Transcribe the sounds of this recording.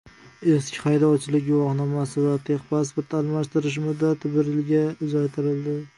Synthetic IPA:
e̞skʲɪ̥χɑjd̪ɒwt͡ʃʰɪlɪkʲɡʊwɒχnɒmasɪvat̪ʰeχpʰaspoɾt̪ʰalˠmaʃt̪ɪɾɪʃ̬mʊd̪at̪ʰːɪbɪɾɪlɡʲaʊzalt̪ʰɪɾɪlˠd̪ɪ

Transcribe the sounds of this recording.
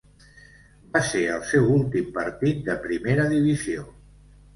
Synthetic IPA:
baseəlˠsɛwulˠt̪impəɾt̪it̪̚d̪əpɾimeɾəðiβizio

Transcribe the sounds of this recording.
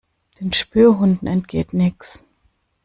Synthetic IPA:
d̥eːnʃpyːɐɦʊndn̩ɛntɡ̥ḛːtnɪks

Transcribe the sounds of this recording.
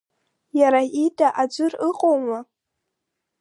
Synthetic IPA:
jaɾaidʼaʔad͡ʒʷʊrɨqʼowma

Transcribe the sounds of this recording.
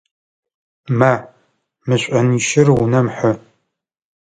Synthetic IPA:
ma | mɨɕʷʼɐniːʃɪrwunɐmħʊ

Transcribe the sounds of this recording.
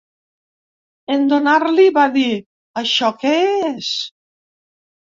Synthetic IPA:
end̪onaɾliβaði | aʃɔkeees

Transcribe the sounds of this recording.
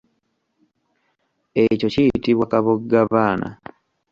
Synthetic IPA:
eco̞cijitiβwakaβoɡaβaːna̰

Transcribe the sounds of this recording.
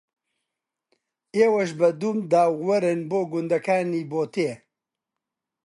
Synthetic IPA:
eːwɐʃ̬bɐd̪uːmd̪aːwwɐɾenboːɡʊnd̪ɐkʰaːniːboːt̪e

